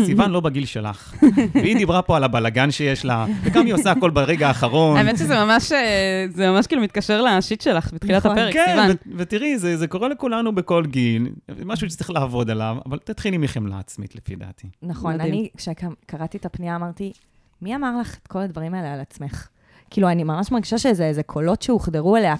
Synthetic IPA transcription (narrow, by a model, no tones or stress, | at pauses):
sivanlo̞baɡilʃela̰χ | eid̪ibʁapo̞alabalaɡanʃejeʃlaveɡamiosaːko̞lbeʁeɡaːχaʁo̞naemet̪ʃezemamaʃezemamaʃkiːlumit̪̚kaʃeʁlaʃit̪ʃelaχbit̪χilat̪apeʁekeinvanvevetiʁizezeko̞ʁelekulanubeko̞lɡilmaʃuʃe̥t͡siχlaːvo̞d̪alava̰valt̪at̪χilimiχemla̰ːt͡smḭt̪lefḭd̪a̰t̪inaχo̞nanikʃekakaʁat̪iet̪apniaːmaʁt̪i | miamaʁlaχetkʰo̞lad̪vaʁimaelealat͡sme̞χ | kiːluanimamaʃmaʁɡiʃaʃezeezekʰo̞lo̞tʃeuχd̪eʁuelea